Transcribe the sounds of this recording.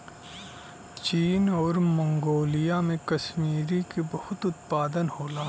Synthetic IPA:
t͡ʃiːnɔːɾmɐ̃ŋɡoːlijamẽkɐʃmiːɾikibɐhʊt̪ʊt̪paːd̪ənhoːlaː

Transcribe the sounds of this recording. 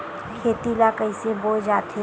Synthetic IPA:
kʰeːt̪ilakəɪseboːd͡ʒaːt̪ʰe

